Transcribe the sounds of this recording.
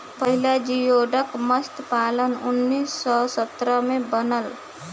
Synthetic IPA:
pəɦilad͡ʒijoɖəkməst̪palənunːisːɔsət̪ɾəmebənəl

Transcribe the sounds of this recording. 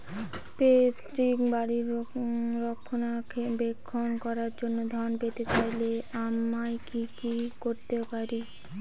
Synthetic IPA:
pet̪ɾikbaɽiɾɾokʰːonakʰebekʰːonkɔɾaɾd͡ʑonːod̪ʱɔnpet̪et͡ɕajleamajkikikoɾt̪epaɾi

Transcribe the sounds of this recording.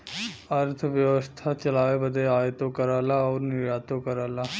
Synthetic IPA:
ɐɾt̪ʰʋjəʋəst̪ʰat͡ʃɐlaːebəd̪eaːjt̪õkəɾaːlaɔːɾnɪɾjaːt̪õkəɾaːlaː

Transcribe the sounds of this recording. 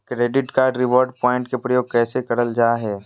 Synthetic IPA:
kɾeːɖɪʈkaːɾɖɾɪʋɔːɾɖpɔːɪ̃ɳʈkepɾəjoːɡ̚kɛːsekɐɾəld͡ʒaːɦɛː

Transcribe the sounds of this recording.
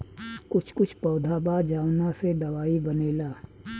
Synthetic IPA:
kʊt͡ʃʰkʊt͡ʃʰpɔːd̪ʱaːbad͡ʒaːwnased̪ɐwaːibɐneːlaː

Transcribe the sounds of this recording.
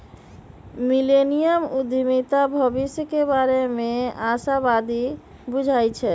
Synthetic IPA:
milenijəmud̪ʱimit̪abʱəbisjəkebaɾemeasabad̪i | bud͡ʒʱajt͡ʃʰɛ

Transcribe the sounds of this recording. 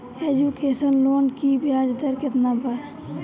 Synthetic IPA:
ed͡ʒukeːsənloːnkibʱjaːd͡ʒd̪əɾkɪt̪nabəɾ

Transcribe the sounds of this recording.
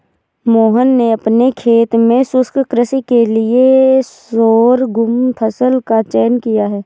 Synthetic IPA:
moːɦənːeɐpnekʰeːt̪mẽsʊskkɾəsikelɪesoːɾɡʊmpʰəsəlkat͡ʃɛːnkijaɦɛː

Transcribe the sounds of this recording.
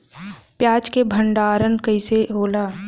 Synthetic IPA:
pjaːd͡ʒkebʱəɳɖaːɾənkəɪseɦoːlaː

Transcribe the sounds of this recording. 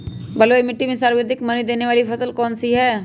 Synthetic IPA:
bɐloɪmɪʈːimẽsaːɾʋəd̪ʱɪkmɐnid̪eːneʋaːlipʰɐsəlkɔːnsiɦɛː

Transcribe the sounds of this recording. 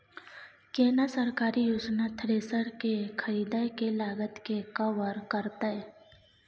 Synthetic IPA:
keːnasəɾkaːɾijoːd͡ʒnat̪ʰɾeːsəɾkekʰəɾiːd̪akelaːɡət̪kekawəɾkəɾt̪aɦɛː

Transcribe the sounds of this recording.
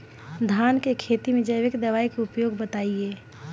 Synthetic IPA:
d̪ʱaːnkekʰeːt̪imẽd͡ʒəjʋɪkd̪ɐʋaːikeʊpjoːɡbət̪aːieː

